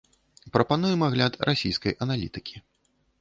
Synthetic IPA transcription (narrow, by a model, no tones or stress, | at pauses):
pɾɐpanujɛmaɣlʲat̪rʔasʲḭjskɐ̰jʔɐnalʲit̪ɨkʲʰi̥